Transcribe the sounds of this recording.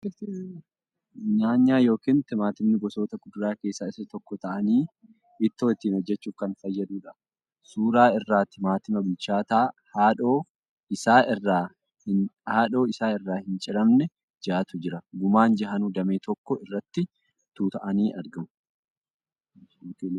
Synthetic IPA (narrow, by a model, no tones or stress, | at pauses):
ɲaːɲːaːjo̞ːkint̪ɪmaːt̪ɪmnɪɡɔso̞ːt̪ɐɡʊd̪ʊɾaːke̞ːsːaɪsːɐt̪ɔkːɔt̪ɐʔɐniː | ɪt̪ːoɪt̪ːiːnhɔd͡ʒːɛt͡ʃːuːfkɐnfɐjːɐd̪uːᶑɐ | suːɾaːɪrːaːt̪ːɪmaːt̪ɪmɐbɪlt͡ʃaːt̪aːhaːᶑoː | ɪsaːɪrːaː | hɪnhaːᶑo̞ːɪsaːɪrːaːhɪnt͡ʃʼɪɾɐmnɛ | d͡ʒaːt̪ʊd͡ʒɪɾɐɡʊmaːnd͡ʒɐɦɐnuːd̪ɐmeːt̪ʰɔkːɔɪrːɐt̪ːɪ | t̪uːt̪ɐʔɐniːʔɐɾɡɐmʊ | joːki